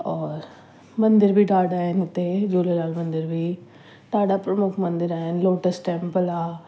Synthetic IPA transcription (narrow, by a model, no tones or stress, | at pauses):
ɔːɾ | mɐ̃nd̪ɪɾbʱiːɖaːɖaːɦent̪ed͡ʒoːlelaːlmɐ̃nd̪ɪɾbʱiː | t̪aːɖaːpɾəmʊkʰmɐ̃nd̪ɪɾaːenloːʈəsʈʈɛːmpəlaː